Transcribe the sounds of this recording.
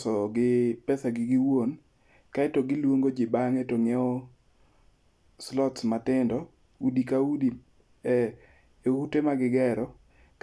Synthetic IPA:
sɔɡɪpɛsaɡɪɡɪwon | kaɛtoɡɪlwoŋɡod͡ʒɪbaŋetoŋɛɔ | slɔtsmatɪndɔ | udikaudi | ehutemaɡɪɡɛɾɔ | k

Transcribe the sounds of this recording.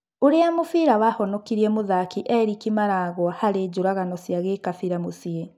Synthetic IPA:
oɾeamofiɾawahɔnɔkiɾiɛmoðakiʔɛɾikimaɾaɣwɔhaɾed͡ʑoɾaɣanɔsjaɣekafiɾamosie

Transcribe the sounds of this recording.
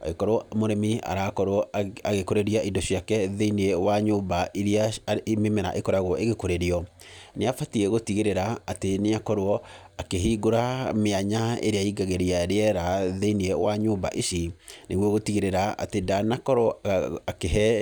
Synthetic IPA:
a̰ekɔɾoɔmoɾɛmia̰ɾakɔɾoɔaɣekoɾeɾiaidoʃiakɛðeiniɛwaɲoːbaʔiɾiamemɛɾa̰ʔekɔɾaɣwɔʔeɣekoɾeɾiɔ | neafatiɛɣotiɣeɾeɾaːteneakɔɾoɔ | akeɦiːɡoɾameaɲaḛɾeaiɡaɣeɾiaɾeɛɾaðeiniɛwaɲoːba̰ʔiʃineɣwɔɣotiɣeɾeɾaa̰tedanakɔɾɔakeɦɛ

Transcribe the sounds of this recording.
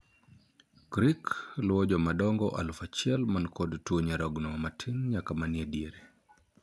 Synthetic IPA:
kɾiklɔd͡ʒɔmaɗɔŋɡɔʔa̰lufat͡ʃiɛlmankɔdtuɲaɾɔɡnɔmatʰinɲakamaniɛdiɛɾɛ

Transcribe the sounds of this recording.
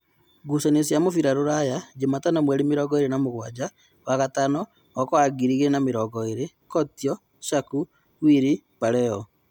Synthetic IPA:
ɡusanesjamofiɾaɾoɾajad͡ʒematanamwɛɾemeɾɔɡɔeɾenamoɣwad͡ʒa | waɣatanɔː | kɔaɡiɾiɣenameɾɔːɡɔeɾe | kɔtiɔ | ʃaku | wiɾi | paɾɛɔ

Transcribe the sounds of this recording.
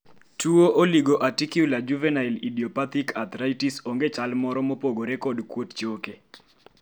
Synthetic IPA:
tuoʔoliɡoʔatikjulad͡ʒuvɛnailidiɔpat̪ikʰat̪ɾajtisoŋɡet͡ʃalmɔɾɔmopoɡoɾekɔdkwott͡ʃoke

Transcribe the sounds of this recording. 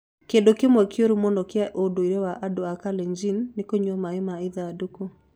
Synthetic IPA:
kendokemwɛkjoɾumonɔkjaʔodoiɾɛwaʔadoakalɛɲd͡ʒinːekoɲɔmaemaiðadoko

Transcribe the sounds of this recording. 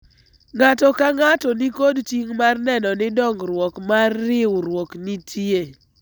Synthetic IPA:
ŋatɔkaŋatɔnikodtiŋmarnɛnɔnɪdɔŋɡɾwɔkmarːɪwɾwɔknitʰie

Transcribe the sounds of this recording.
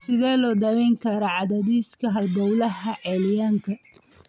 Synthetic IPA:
sɪðɛːlɔːd̪ɐwɛŋkʰɐɾɔʕɑðɐðiːskʰɐɦɐlbɔwlɐhɐʔɛljaːŋkʰɐ

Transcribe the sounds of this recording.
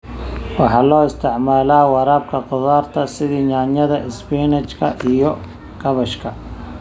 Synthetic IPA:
wɑħɑːlɔːɪst̪ʰɪʕmaːlaːwɑɾaːb̚kʰɐqʊðaːrt̪ʰɐsɪðiːɲaːnjɐðɐʔɪspiːnɐt͡ʃkʰɐ̰ʔijɔ | ɡɐβɐʃkʰɐ

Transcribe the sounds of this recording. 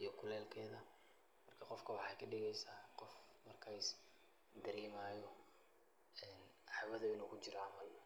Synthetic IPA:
ijɔkʰʊlɛːlkʰɛːðɐ | mɐrkʰɐqɔfkʰɐwɑħɑjkʰɐɖɪɣɛjsaːqɔfmɐrkʰaɪs | d̪ɐɾɛːmaːjɔ | ɛn | ɑħwɐðʊɪnuːkʰʊt͡ʃɪɾɔɑmɐl

